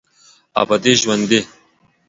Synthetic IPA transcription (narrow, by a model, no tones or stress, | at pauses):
a̰bɐd̪eʑwɐnd̪e